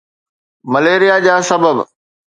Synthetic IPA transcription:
mɐleːɾijad͡ʑaːsɐbəb

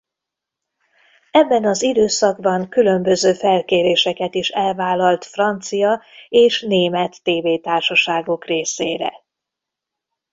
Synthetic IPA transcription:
ɛbːɛnɒzid̪øːsɒɡbɒŋkylø̞mbø̞zøːfɛlkeːɾeːʃɛkɛt̪iʃɛlvaːlɒlt̪frɒnt̪sijɒeːʃneːmɛt̪ːeːveːt̪aːrʃɒʃaːɡo̞kreːseːɾɛ̰

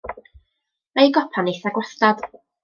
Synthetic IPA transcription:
ajɡɔpʰaniθaɡwaθtad̥

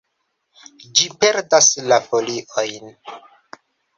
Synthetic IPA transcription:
d͡ʒipe̞ɾdaslafo̞liʔo̞jn

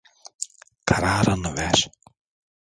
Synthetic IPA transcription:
kʰaɾaːɾanvɛɾ

